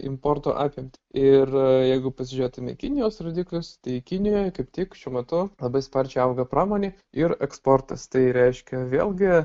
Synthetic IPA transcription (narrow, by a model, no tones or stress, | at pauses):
ɪ̰mpoːrt̪o̰ːʔɑːpʲjɪmʲt̪ʲɪ̥ɪrjɛɪɡʊpɐsʲɪʒʲeːt̪ʊmʲɛ̰kʲɪnʲɪjoːsroːd̪ʲiːklʲʊst̪ɐɪkʲɪnʲɪjoːjkɐɪpʲt̪ʲiːkʃʲuːmʲɛt̪ʊlˠɐbɐɪspɐrʲt͡ʃʲɛɪɐʊɡɐpɾɑːmoːnʲeː | ɪɾɛkspoːrt̪ɐst̪ɐɪɾʲɛɪʃʲkʲɛʋʲḛːlʲˠɡʲɪ